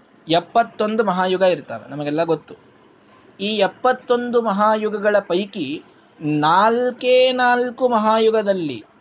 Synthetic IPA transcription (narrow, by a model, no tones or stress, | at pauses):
ɛpːɐt̪ːo̞nd̪umɐɦaːjuɡɐiɾt̪aːɾḛnɐmɐɡɛlːɐɡot̪ːu | iːɛpːɐt̪ːo̞nd̪umɐɦaːjuɡɐɡɐɭɐpɐjki | naːlkeːnaːlkumɐɦaːjuɡɐd̪ɐlːḭ